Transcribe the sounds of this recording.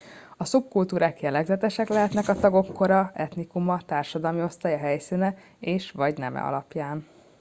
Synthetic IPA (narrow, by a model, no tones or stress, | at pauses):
ɒsup̚kult̪uːɾaːkjɛlɛɡzɛt̪ɛʃɛklɛɦɛt̪nɛkɒt̪ɒɡo̞kːo̞ɾɒɛt̪nikumɒt̪aːrʃɒd̪ɒlmio̞st̪aːjɒɦɛjsinɛ | eːʃʋɒɟnɛ̰mɛ̰ɒ̰lɒpjaːn